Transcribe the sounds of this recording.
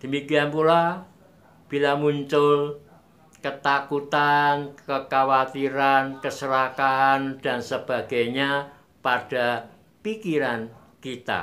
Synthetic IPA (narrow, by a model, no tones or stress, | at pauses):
d̪̥ə̤mikianpula | b̥ilamuɲt͡ʃʊl | kət̪akut̪ankəkawat̪iɾankəsəɾakaːnd̥a̤nsəb̥a̤ɡ̥aɲa | paɖ̥a̤ | pikiɾan | kit̪a̰